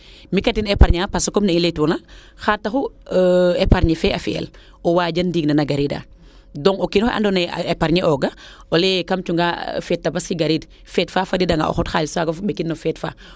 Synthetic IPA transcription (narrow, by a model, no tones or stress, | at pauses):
mikatinepaɾɲapasokomnɐiletɔnaxaːtːaxu | epaɾɲifɛafiḛl | owaːɟɐndiːɡnɐnɐɡaɾida̰ | dɔŋokinʔa̰ndoneepaɾɲeʔɔɡaolekamt͡ʃuŋɡafɛːt̚ːabasiɡaɾiːd | fɛːtfafadidaŋɡa̰o̰xɔtxaːlsaɡafubekːinːofɛːtfa̰ː